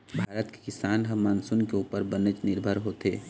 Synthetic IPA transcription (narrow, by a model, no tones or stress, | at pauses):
bʱaːɾət̪ke̥kɪsaːnɦɐmːaːnsʊnkeuːpəɾbənət͡ʃnɪɾbʱəɾɦoːt̪eː